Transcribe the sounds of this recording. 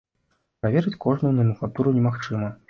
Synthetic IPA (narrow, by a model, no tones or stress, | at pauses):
pɾavʲɛɾɨt͡sʲkɔʐnujwnɐmʲuklˠat̪uɾunʲɛmaxt͡ʂɨmɐ